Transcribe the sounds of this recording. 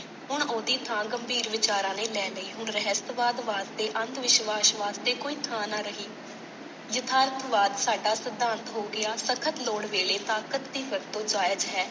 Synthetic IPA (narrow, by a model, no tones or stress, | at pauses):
ɦʊɳoːd̪iːt̪ʰãːɡəmbʱiːɾʋɪt͡ʃaːɾãːnẽːlɛːləiːɦʊɳɾəɦəst̪ʋaːd̪ʋaːst̪eːʔənd̪ʋɪʃʋaːʃʋaːst̪eːkoːiːt̪ʰãːnaːɾəɦiː | jət̪ʰaːɾət̪ʋaːd̪saːɖaːsəd̪ːãːnt̪ɦoːɡɪaːsəkʰət̪loːɽʋeːleːt̪aːkət̪̚d̪iːʋəɾt̪õːd͡ʒaːjəd͡ʒɦɛː